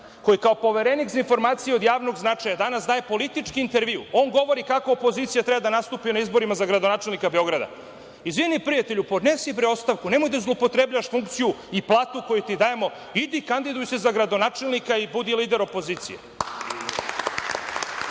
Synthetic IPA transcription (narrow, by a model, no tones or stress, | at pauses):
ko̞jikaopo̞ʋeɾenikzinfo̞ɾmaːt̪sijeo̞d̪jaːʋno̞ɡznat͡ʂajad̪anasd̪aːje̞po̞lit̪it͡ʂkiint̪e̞ɾʋiṵo̞ːŋɡo̞ʋo̞ɾikakoːpo̞ziːt̪sijat̪ɾebad̪anast̪uːpinaizbo̞ɾimazaɡɾad̪onaːt͡ʃe̞lnikabe̞o̞ɡɾad̪a̰ | izʋinipɾijat̪e̞ʎupo̞d̪nesipɾeo̞st̪aʋkune̞mo̞jd̪auzlˠoupo̞t̪ɾebʎaʋaʃfuŋk̚t̪sijuiplˠaːt̪uko̞jut̪id̪aje̞mo̞ | id̪ikand̪id̪ujuse̞zaɡɾad̪o̞naːt͡ʂelnikaibud̪iliːd̪e̞ɾopo̞ziːt̪sḭjḛ